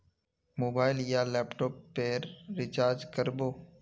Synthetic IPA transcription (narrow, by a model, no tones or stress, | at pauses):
moːbaːɪljaːlɛːpʈoːpːeːɾːɪt͡ʃaːɾd͡ʒkəɾboː